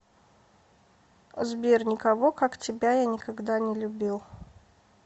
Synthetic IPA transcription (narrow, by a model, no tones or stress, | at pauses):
zbʲernʲɪkɐvokaktʲɪbʲajanʲɪkɐɡd̪anʲɪlʲʊbʲilˠ